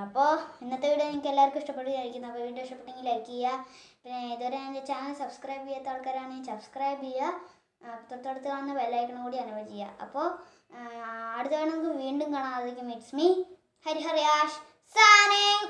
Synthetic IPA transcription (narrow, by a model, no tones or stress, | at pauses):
ɐpːoːinːɐt̪ːeʋiɽɨneŋikʲːelːaːjrkːuiʂʈɐpːeʈːuɐɾikʲːunːɐpːoʋiːɳɖɨʂʈɐpːeʈːeŋɡileɾkːijja | pinːeiðoɾeanet͡ɕːaːnsɐbskrɐjbijɐt̪ːaɽkaːɾaːɳɨɲansɐbskrɐjbija | t̪urɐt̪ːɐɽut̪ːɨkaːɳunːɐbɐlːaːjikʲːɐɳɐmkuːɽiɐnuʋɐd͡ʑijːa̰ɐ̰pːo̞ː | ɐɽut̪ːɐʋeɳɐnkːuʋiːɳɖuŋkaːɳanɐðikʲːumiʈsmi | hɐɾiɦɐrjaːʂ | saːneŋ